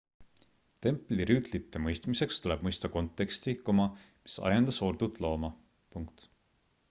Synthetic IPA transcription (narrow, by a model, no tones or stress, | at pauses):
t̪e̞mpˑliɾyt̪lit̪ˑːe̞mɤjst̪mise̞kst̪uleb̥̚mɤjst̪ɑko̞nt̪ːˑe̞kst̪ikomɑ | mi̥sɑ̰jɑnd̪̥ɑso̞rd̪̥ut̪ːˑlo̞ːmɑ | puŋkt̪